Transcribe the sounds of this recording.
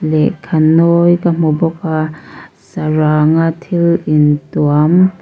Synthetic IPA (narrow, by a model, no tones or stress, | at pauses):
lɛʔkʰanɔjkam̥ɔbɔka | saɾaŋat̪ʰilintuam